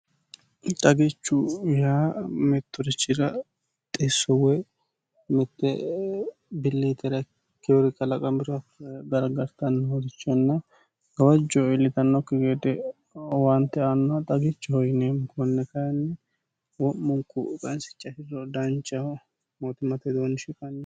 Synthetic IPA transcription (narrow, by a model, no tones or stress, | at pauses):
t̪ʼɐɡɪt͡ʃːʊjaːmɛt̪ːɔɾɪt͡ʃːɪɾɐ | t̪ʼesːɔwɛ | mɛt̪ːɛ | bɪlːit̪ɛɾɐ | kːɛwɔɾɪkːɐlɐkʼɐmɪɾɔɐɡɐɾɡɐɾt̪ɐnːhɔd̪ɪt͡ʃːɔnːɐ | ɡɐwɐd͡ʒːoɪlːɪt̪ɐnːɔkːɪɡeːd̪ɛ | want̪ːɛanːɐt̪ʼɐɡɪt͡ʃːɔhɔjnemkɔnːɛkɐjnːɛ | wɔmmːʊŋkːʊkʼɐnsɪ̥t͡ʃʼːɐfɪɾɔd̪ɐnt͡ʃːɐh | mot̪ɪmɐt̪ɛd̪oːnːɪʃɪkʼɐn